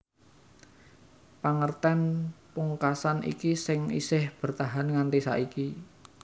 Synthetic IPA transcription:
paŋərt̪ɛnpuŋkasanʔḭkisɪŋḭsɪhb̥ə̤rt̪aɦanŋant̪isa̰ʔiki

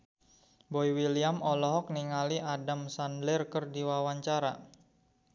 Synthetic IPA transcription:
boiwiliamɔlɔɦɔk̚niŋaliʔadamsandlɛrkərdiwawaɲt͡ʃaɾa̰

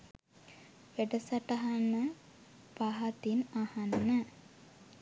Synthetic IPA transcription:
ʋeʈəsɐʈaɦanːə | paɦɐt̪inahanːə

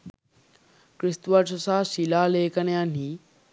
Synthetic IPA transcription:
kɾɪst̪ʋat͡ʃʰɐsaːʃiːlaːleːkɐnjãn̤iː

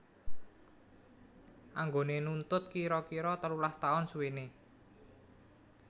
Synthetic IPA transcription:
ʔaŋɡonenunt̪ʊt̪̚kiɾɔkiɾɔt̪əlulast̪aʊnsuwene

